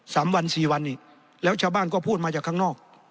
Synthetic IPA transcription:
saː˩˦mwa˧nsiː˨˩wa˧nːi˧˩ | lɛː˦˥wt͡ɕʰaː˧wbaː˧˥˩nkɔː˧˥˩pʰuː˥˩t̪̚maː˧t͡ɕaː˨˩kʰːaː˧˥˩nɔː˥˩k̚

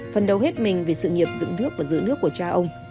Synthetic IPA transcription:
fə˨˩nɗə˨˩wɦe˦˥t̚mï˨˩ŋ̟vi˨˩sɨ̰˧˨ŋi˨˩əp̚zɨ̰˧˥nɨ˦˥ək̚vaː˨˩zɨ̰˧˥nɨ˦˥əkːu˧˩ət͡ɕaː˧ʔə˧wŋ͡m

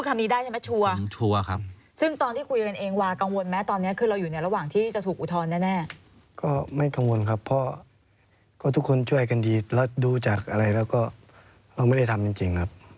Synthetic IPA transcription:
kʰa˧mdiː˧daː˥˩jʰa˥˩mɛ˦˥t͡ɕʰu˧ɐt͡ɕʰu˧ɐkʰa˦˥ | sɯ˥˩ŋt̪ɔː˧nt̪ʰiː˥˩kʰu˧jka˧nʔeː˧ŋwaː˧ka˧ŋwo˧nmɛː˦˥t̪ɔː˧nːi˦˥ɐkʰɯː˧ɾa˧wjuː˨˩na˧˦jɾa˧waː˨˩ŋt̪ʰiː˥˩t͡ɕa˨˩t̪ʰuː˨˩k̚ʔu˨˩t̪ʰɔː˧nːɛː˥˩nɛː˥˩ | kɔː˥˩ma˥˩jka˧ŋwo˧nkʰa˦˥pʰːɔ˦˥ | kɔː˥˩t̪ʰu˦˥kʰːo˧nt͡ɕʰu˥˩əjka˧ndiː˧lɛː˦˥˩duː˧t͡ɕaː˨˩k̚ʔa˧ɾa˧jlɛː˦˥˩wkɔː˥˩ | ɾa˧wma˥˩jda˥˩jt̪ʰa˧mt͡ɕi˧ŋt͡ɕi˧ŋkʰa˦˥p̚

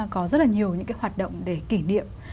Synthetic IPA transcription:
kɔ˨˦zə˦˥t̚laː˨ɲi˨˩əwɲɨ̰˧˥ŋkaː˨˦jwaː˨˩t̚ɗə̰˧˨wŋ͡mɗe˧˩ki˧˩nḭ˧˨əmm

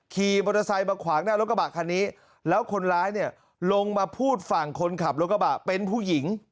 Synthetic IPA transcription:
kʰiː˨˩mɔː˧t̪ʰːa˧sa˧jmaː˧kʰwaː˩˦ŋnaː˥˩lo˦˥t̚k̚a˧ba˨˩kʰaː˧nːiː˦˥ | lɛː˦˥wkʰo˧nɾaː˦˥jni˥˩ɐ | lo˧ŋmaː˧pʰuː˥˩t̪̚fa˨˩ŋkʰo˧nkʰa˨˩p̚lo˦˥k̚ːa˧ba˨˩ʔpe˧npʰuː˥˩ji˩˦ŋ

